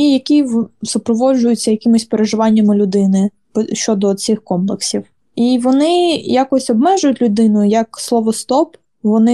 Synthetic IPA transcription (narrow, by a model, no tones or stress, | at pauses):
ijɐkʲisʊpɾɔʋɔʒʊjʊt͡sʲːɐjɐkʲimʊsʲpeɾeʒɪʋɑnʲːɐmɪlʲʊd̪ɪnɪ | pʃt͡ʃɔd̪ɔsɪxkɔmplˠeksʲiw | iʋɔnɪjakɔsʲɔbmɛʒʊjʊtʲlʲʊd̪ɪnʊjɐkslˠɔʋɔst̪ɔp | ʋɔnɪ